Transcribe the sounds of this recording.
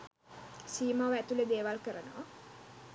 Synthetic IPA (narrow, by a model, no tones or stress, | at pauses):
siːmaʋæt̪uled̪eːʋalkəɾənoʋa